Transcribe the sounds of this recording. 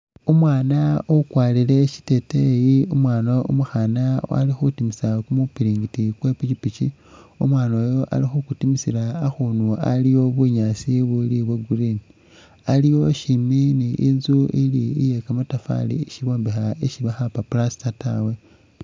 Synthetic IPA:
umwaːnaokwaːlile̞ʃi̥te̞tejiumwaːnoṵmuxanawa̰lixutimisakumupiɾiːŋɡitikwe̞pit͡ʃipit͡ʃi | umwaːnojo̞ʔa̰lixukutimisilaːxunua̰lijo̞βuɲaːsiβuliβweɡurini | alijo̞ʃiminiʔḭnzuiliḭje̞kamatafa̰lḭʃiβo̞ːmbexaiʃiβaxapaplasi̥tata̰we̞

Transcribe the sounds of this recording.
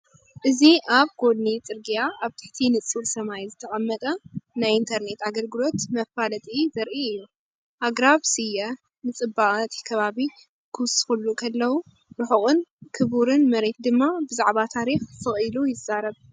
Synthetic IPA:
ʔɨziʔaβɡo̞d̪nit͡sʼɨɾɡijaaβt̪ʰɨ̥ħt̪ʰinɨt͡sʼuɾsɐmajzɨt̪ʰɐχʼɐmːɐt̪ʼɐnajint̪ʰɐɾne̞t̪aɡɐlɡɨlo̞t̪mɐfalɐt̪ʼizɐɾʔiɨjːu | ʔaɡɾaβsɨjɐ | nɨt͡sʼɨbːaχʼt̪ʰi̥kʰɐβaβi | kʰɨwsɨ̥xulːukʰɐlːɐwu | ɾɨħɨχʼɨnkʰɨβuɾɨnmɐɾe̞t̪̚d̪ɨmːabɨzaʕβat̪ʰaɾixfʰɨχʼɨlujɪzːaɾɐβ

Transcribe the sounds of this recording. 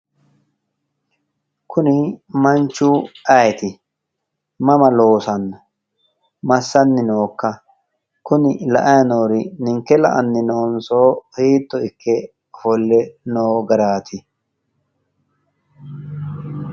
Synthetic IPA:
kʰʊnɪmɐnt͡ʃːuːʔɐjt̪ɪ | mɐmɐlo̞ːsɐnːɐ | mɐsːɐnːɪno̞ːkːɐ | kʊnɪlɐʔɐjɐnoːɾɪnɪŋkːɛlɐ̰ʔɐnːɪno̞ːnsoːhiːt̪ːɔɪkːɛ | fɔlːɛnoːɡɐɾaːt̪ʰɪ

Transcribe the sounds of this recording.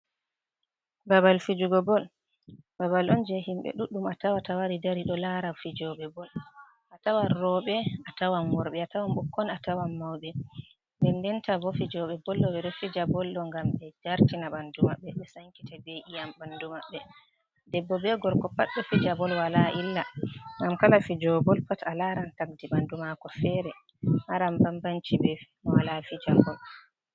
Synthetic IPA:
babalfid͡ʒuɡɔbɔl | babalʔɔnd͡ʒɛhimɓɛ̰ɗuɗːumatawatawaɾidaɾiɗɔlaɾafid͡ʒɔɓɛbɔl | ʔatawanɾɔɓɛatawanwɔɾɓɛatawamɓukːɔnatawamːawɓɛ | dɛndɛntabɔfid͡ʒɔɓɛbɔlːɔɓɛɗɔfid͡ʒabɔlːɔŋɡambɛd͡ʒaɾtinaɓandumaɓːɛɓɛsaŋki̥tabeʔijambandumaɓːɛ | dɛbːɔbɛɡɔɾkɔpaɗːɔfid͡ʒabɔlwalaʔilːaŋɡamkalafid͡ʒɔbɔlpatalaɾankak̚diɓandumakɔfɛɾɛ | haɾambambant͡ʃibɛ | walafid͡ʒabɔl

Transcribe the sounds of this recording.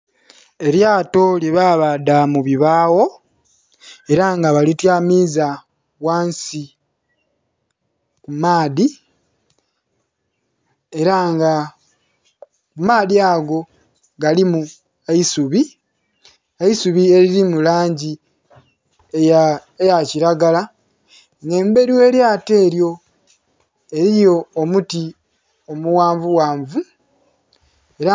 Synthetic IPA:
e̞ɾjaːto̞ljeβaːβadamuβiβaːwo̞ | e̞ɾaŋɡaβalitjamiːza | waːnsi | kumaːði | e̞ɾaŋɡa | kumaːðiaɡo̞ | ɡalimu | eisuβi | aisuβie̞ɾiɾimulaːɲɟi | eejaciɾaɡala | ne̞ːmbe̞ɾiwe̞ːljaːte̞ːɾjo̞ | e̞ɾijo̞ːmuti | o̞muwaːɱvuwaːɱvu | e̞ɾa

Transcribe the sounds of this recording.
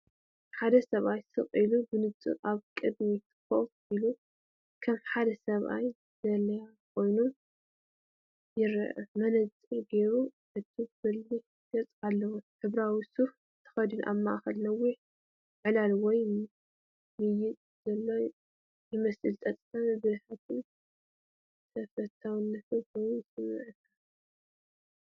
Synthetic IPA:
ħad̪ɐsɐβʔajsɨχʼilubɨnɨt͡sʼɨ̰aβkʼɨd̪mit̪ʰɨ̥xo̰ʔfʔilu | kʰɐmħad̪ɐsɐβʔa̰j | z̥ɐlɐja | kʰo̞jnu | jɪɾʔmɐnɐt͡sʼɨɡe̞ɾuħɨt̪ʰubɨlːi | jɐt͡sʼalːɐwoħɨβɾawisuf | t̪ʰɨ̥xɐd̪ɨnʔa̰βma̰ʔxɐlnɐwiʕ | ʕɨlalwɔj | mɨjɪt̪ʼzɐlːo̞ | jɪmɐsɨlt̪ʼɐt͡s̪ʼanbɨzħat̪ʰɨn | sʰɐfɐt̪ʰːawnːɐfʰɨojsʼɨmːɨ̰ʕɨkʰːa

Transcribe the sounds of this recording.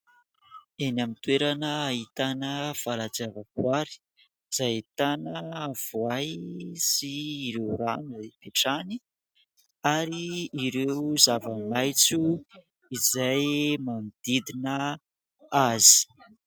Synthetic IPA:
enamit̪weɾanəit̪anəfalat͡savəvuaɾi̥ | z̥ajt̪anəv̥uajsiːɾewranuzepeʈ͡ʂani | aɾiːɾewzavəmajt͡su | izajmanid̪̥id̪inə | azi̥

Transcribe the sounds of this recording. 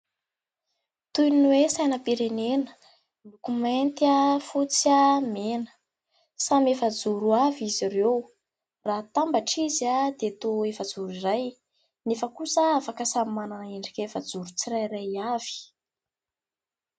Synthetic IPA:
t̪ujnwesajnəpiɾenenə | mukument̪afut͡samenə̥ | samefəd͡zuɾuavizirew | raɦt̪ambaʈ͡ʂizad̪et̪oefəd͡zuɾiraj | nefəkusəafakəsamananaiɳɖ͡ʐikʲefəd͡zuɾut͡siɾajɾajav̥i̥

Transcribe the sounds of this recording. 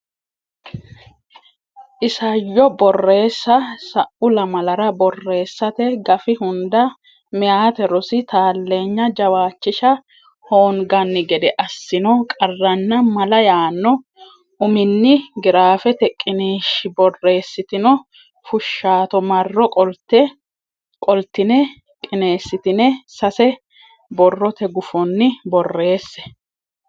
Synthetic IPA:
ʔɪsɐjːɔbɔrːe̞ːsːɐsɐʔʊlɐmɐlɐɾɐbɔrːe̞ːsːɐt̪ɛɡɐfɪhʊnd̪ɐ | mɪjaːt̪ɛɾɔsɪt̪aːlːe̞ːɲːɐd͡ʒɐwaːt͡ʃːɪʃɐ | hoːŋɡɐnːɪɡɛd̪ɛʔɐsːɪnɔkʼɐrːɐnːɐmɐlɐjaːnːɔ | ʔʊmɪnːɪɡɪɾaːfɛt̪ɛkʼːɪniːʃɪbɔrːe̞ːsːɪt̪ɪnɔ | fʊʃːaːt̪ɔmɐrːɔkʼɔlt̪ɛ | kʼɔlt̪ːɪnɛ | kʼɪne̞ːsːɪt̪ɪnɛsɐsɛ | bɔrːɔt̪ɛɡʊfɔnːɪbɔrːe̞ːsːɛ̥

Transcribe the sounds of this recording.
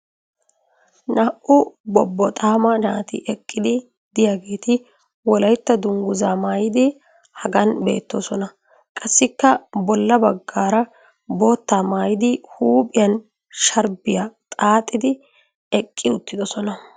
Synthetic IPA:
naːʔʔʊbɔbːɔt̪ʼaːmɐnaːt̪ɪ̰ʔɛkʼːɪd̪ɪ | d̪̥ɪjaɡe̞ːt̪ɪ | wɔlɐjt̪ːɐd̪ʊŋɡʊzaːmaːjɪd̪ɪ | hɐɡɐnbe̞̰ːt̪ːo̞ːsɔnɐ | kʼɐsːɪkːɐbɔlːɐbɐɡːaːɾɐ | bo̞ːt̪ːaːmaːjɪd̪ɪhuːpʼɪjɐn | ʃɐɾbɪjat̪ʼaːt̪ʼːɪd̪ɪ | ɛkʼːɪʊt̪ːɪd̪ɔsɔnɐ

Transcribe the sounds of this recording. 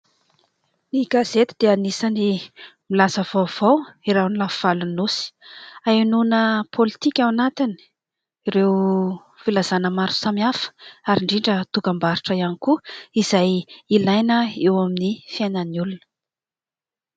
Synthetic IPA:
niɡaz̥et̪id̪̥eanisanimilasəv̥awv̥awiɾawnilafv̥alunusi̥ajnunəpʰolit̪ikʲawanat̪ini̥ | ɾew | filazanəmaɾu̥samiafə̥aɾiɳɖ͡ʐiɳɖ͡ʐət̪ukambaɾuʈ͡ʂəianikuiz̥ajilajnəewaminifiananulunə̥

